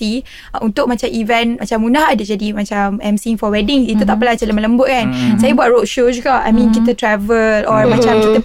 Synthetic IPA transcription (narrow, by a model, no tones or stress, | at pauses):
t̪i | unt̪ʊk̚mat͡ʃamivɛnmat͡ʃamunahadad͡ʒadimat͡ʃamɛmsiŋfɔwɛdɪŋit̪̬ut̪aʔpəlaat͡ʃaləmələmbʊʔ̚kansajəbuaʔ̚ɹotʃod͡ʒuɡaa̰jmĩnk̬it̪ət̪ɾɛvəlɔmãt͡ʃamkit̪ə